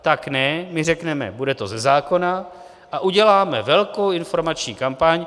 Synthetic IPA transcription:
t̪aknɛmɪrɛknɛmɛ̰budɛt̪o̞zɛzaːko̞na | ʔaʔuɟɛlaːmɛvɛlkowɪnfo̞ɾmat͡ʃɲiːkampaɲ

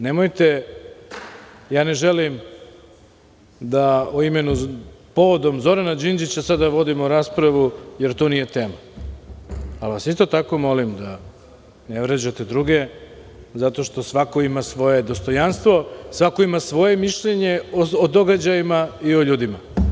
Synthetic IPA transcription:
ne̞mojt̪e̞ | jaːne̞ʒelim | d̪aoime̞nupo̞ʋod̪o̞mzo̞ɾanad͡ʒind͡ʒit͡ɕasad̪aʋo̞d̪imoɾaːspɾaʋuje̞ɾt̪onije̞t̪e̞ːma | alʋasist̪o̞t̪ako̞mo̞limd̪a | neʋɾed͡ʑat̪e̞d̪ɾuɡe̞ | zat̪o̞ʃt̪o̞sʋako̞imasʋo̞je̞d̪o̞st̪o̞janst̪ʋo̞sʋako̞imasʋo̞je̞miʃʎeɲe̞ood̪o̞ɡad͡ʑajimaioʎuːd̪ima

